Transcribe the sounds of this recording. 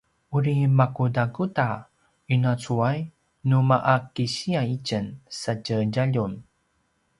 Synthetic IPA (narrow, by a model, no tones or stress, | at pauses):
uɾimakudaɡuta | unat͡suaj | numaʔakiɕiaicənsacəɟaʎun